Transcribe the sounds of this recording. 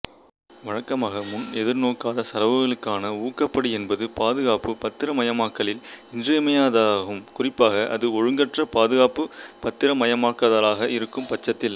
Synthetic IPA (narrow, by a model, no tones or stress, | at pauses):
ʋɐɻɐkːɐmaːɣɐmʊnɛðɪɾnoːkaːðɐsɐɾɐʋɯɣɐɭɯkːaːnɐuːkːɐpːɐɽiɛnbɐðɯpaːðɯɣaːpːɯpɐt̪ːɪɾɐmɐjɐmaːkːɐɭɪlɪndrɐmɐjaːðɣɯmkʊrɪpːaːɣɐʔɐ̰ðɯɔɻɯŋɡɐʈrɐpaːðɯɣaːpɯpɐt̪ːɪɾɐmɐjɐmaːkːɐðɐlaːɣɐʔɪɾɯkːɯmpɐt͡ʃːɐt̪ːɪl